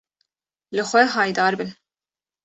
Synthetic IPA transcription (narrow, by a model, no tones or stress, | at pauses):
lɨxʷɛɦɑːjd̪ɑːɾbɨn